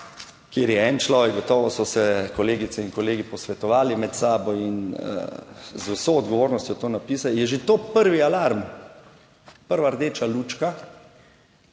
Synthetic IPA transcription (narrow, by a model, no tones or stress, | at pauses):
kjeːɾjɛɛnt͡ʃlɔːʋɛɡ̚ɡɔt̪ɔːʋɔsɔsɛkɔleːɡit̪sɛiŋkɔleːɡipɔsʋɛt̪ɔʋaːlimɛt̪saːbɔinə̰zusoɔd̪ɡɔʋoːɾnɔst̪jɔt̪oːnapiːsajɛʒet̪oːpəɾʋialaɾm | pəɾʋaɾd̪eːt͡ʃalut͡ʃka